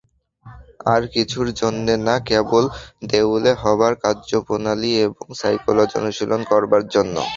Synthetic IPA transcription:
aɾkit͡ɕʰuɾd͡ʑonːenakebold̪ewleɦɔaɾkaɾd͡ʑopunalieboŋsajkolod͡ʑo̰nuʃilʔonkɔɾbaɾd͡ʑonːo̰

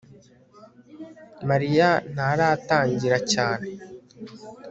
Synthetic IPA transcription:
maɾijan̥aɾaːtaːɲɟiɾacaːne

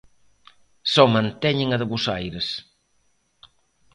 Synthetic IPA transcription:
sɔmɐ̃nt̪ɛɲɪŋɐðɪβusajɾes

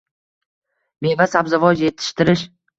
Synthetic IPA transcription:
be̞vasabzavɒd͡ʒje̞t̪ʰɪ̥ʃt̪ɪɾɪʃ

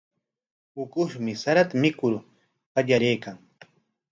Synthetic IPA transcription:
ʊkʊʃmɪsaɾat̪amɪkʊɾ | qaʎaɾejkaŋ

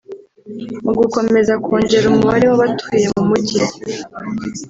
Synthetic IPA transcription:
muɡuko̞me̞zakʰoːɲɟe̞ɾumuβaɾewaβatuije̞mumuce

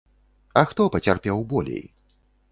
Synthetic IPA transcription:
ɐxt̪ɔpɐt͡sʲarpʲɛwbɔlʲḛj

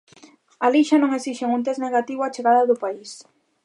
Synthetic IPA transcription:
aliʃɐnõŋesiʃeŋunt̪ezneɣat̪iβʊat͡ʃeɣaðɐðʊpais

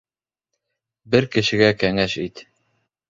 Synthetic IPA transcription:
bɘɾkɘ̆ʃɘ̆ɡækæŋæʃit̪

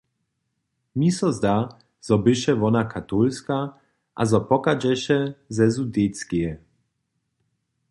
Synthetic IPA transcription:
misɔzd̪a | z̥ɔbɪʃɛvɔnakʰat̪ulska | ʔa̰zɔpɔkad͡ʒɛʃɛzɛzud̪et̪skijɛ

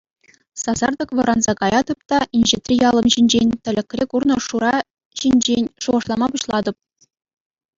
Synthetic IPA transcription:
sɑzɑrd̪ɤ̆kʋɤ̆ɾɑnzɑkɑjɑd̪ɤ̆p̚t̪ɑinʲʑɘt̪ʲrʲijɑlˠɤ̆mʑinʲd͡ʑenʲt̪ʲɘ̆lʲɘ̆kʲrʲekurnɤ̆ʂuɾɑ | ʑinʲd͡ʑenʲʂuʁɤ̆ʂlˠɑmɑpuɕlˠɑd̪ɤ̆p̚

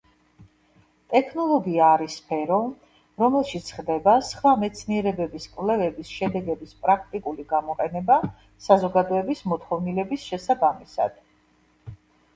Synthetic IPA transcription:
t̪ʼɛkʰnɔlˠɔɡiaːɾisːpʰɛɾɔ | ɾɔmɛlˠʃit̪sʰχd̪ɛbasχvamɛt̪sʰniɛɾɛbɛbiskʼwvlɛvɛbisʃɛd̪ɛɡɛbispʼɾak̚ʰt̪ʼikʼuliɡamɔqʼɛnɛba | sazɔɡad̪ɔɛbismɔt̪χɔvnilɛbisʃɛsabamisa̰d̪̥

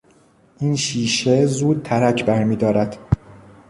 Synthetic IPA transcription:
ʔinʃiːʃezuːd̪̚t̪ʰæɾæcʰbæɾmiːd̪ɒːɾæd̪̥

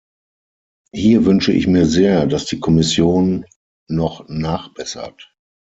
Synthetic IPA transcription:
hiːɐvʏnʃəʔɪ̰çmiːɐzeːɐdasd̥iːkʰɔmɪsjoːnː | ɔχnaːχb̥ɛsɐ̰t

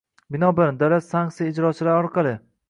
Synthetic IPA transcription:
bɪnɒbɪɾd̪alat̪saŋksijaɪd͡ʒɾɒt͡ʃʰɪlaɾɒɾqʰɑlˠɪ

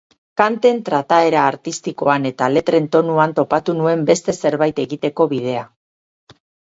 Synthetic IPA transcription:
kant̪e̞nt̪ɾat̪ae̞ɾaːɾt̪ist̪iko̞ane̞t̪ale̞t̪ɾe̞nt̪o̞nuant̪o̞pat̪unue̞mbe̞st̪e̞se̞ɾβajt̪e̞ɣit̪e̞ko̞βið̞e̞a

